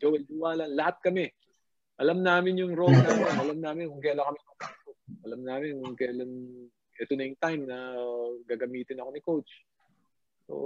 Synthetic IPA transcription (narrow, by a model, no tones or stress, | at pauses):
d͡ʒowɛld͡ʒʊwaːlɐnlɐhat̪̚kɐmɛ | ʔɐlɐmnaːmɪnjʊŋɾolnɐɾomʔɐlɐmnaːmɪnkʊŋkɛɐlɐŋkɐmɪnʊŋkasoʔɐlɐmnaːmɪnkʊŋkɐlɐn | ʔɛt̪onɐjʊŋt̪ajmnɐɡaːɡɐmiːt̪ɪnɐko̞nɪkowt͡ʃ | o̰